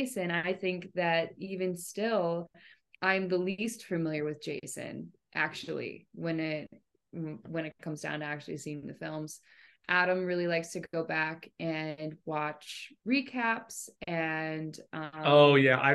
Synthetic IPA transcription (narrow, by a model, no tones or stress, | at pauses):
ɪsɨ̃ñaɪθɪ̃ŋk̚ðɨɾivɨ̃nstɪlˠ | ʔãɪ̃mðəlistfɨmɪlˠjə˞wɨðd͡ʒeɪsɨ̰̃n | ʔæ̰k̚t͡ʃul̩ˠḭwɨ̃nɪt̚ | wɨ̃ñɨt̚kʰʌ̃mzdã̰ʊ̃ntɨæk̚t͡ʃʉl̩ˠisĩŋ̩ðɨfɪlˠmz̥ʔæɾɨ̃mɹɪlˠilaɪkstʰɨɡoʊbækɨ̃nwɑt͡ʃɹikʰæpsɨ̃ndʔʌoʊjæʔa̰ɪ